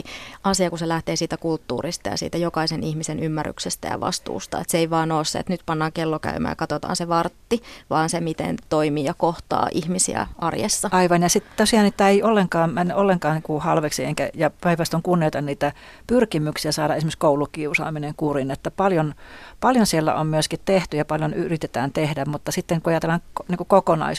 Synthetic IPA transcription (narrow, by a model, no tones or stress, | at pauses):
ʔɑsiɑkuselæht̪eːsiːt̪ækult̪ːṵːrist̪ɑjɑ̰sḭːt̪æjokɑisenihmisenymːærːy̰ksest̪æ̰jɑ̰ʋɑ̰st̪ṵːst̪ɑ̰ḛt̪seeiʋɑːnoːsːḛḛt̪nyt̪pɑnːɑːŋkelːokæ̰ymæ̰ːjɑ̰kɑt̪ot̪ɑ̰ːnseʋɑrt̪ːiʋɑːnsemit̪ḛnt̪oimiːjɑkoht̪ɑ̰ːʔihmisḭæ̰ʔɑ̰rjḛsːɑɑiʋɑnjɑsit̪t̪osiɑnit̪ːæeiolːeŋkɑːmmænːʔolːeŋkɑːnnikuhɑlʋeksieŋkæ̰jɑpæiʋæst̪oŋkunːioit̪ɑnniːt̪æ | pyrkimyksiæsɑːdɑesimekskoulukiusɑ̰ːmineŋkurinet̪ːæpɑljonpɑljonsielːæ̰ʔommyøskit̪t̪eht̪yjɑpɑljonyrit̪et̪æːnt̪ehdæmmut̪ːɑsit̪ːeŋkuɑjɑt̪elːɑŋniːŋkukokonɑ̰is